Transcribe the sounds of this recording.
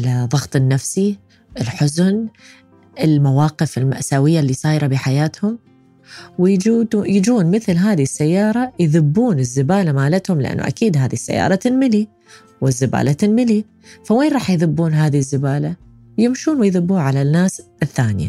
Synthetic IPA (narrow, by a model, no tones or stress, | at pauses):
lðˤɑɣt̪ˤɪnːafsi | ʔɪlħʊzn | ɪlmawɑːqɪfɪlma̰ʔsaːwɪjːalːiːsˤɑːjɾˤɑbiħajaːt̪hʊm | wɪuːjɪd͡ʒuːnmɪθlɦaːðisːajːɑːɾˤɑjðɪbːuːnɪzːɪbaːlamaːlat̪hʊmlɪ̰ʔa̰nːṵʔa̰kiːd̪ɦaːðisːa̰jːɑ̰ːɾˤɑt̪ɪnmɪli | wɪzːɪba̰ːlat̪ɪnmɪli | faweːnɾˤɑːħjðɪbːuːnɦaːðizːɪbaːla | wjɪmʃuːnwɪjðɪbːuːʕalanːaːsɪθːaːnɪja̰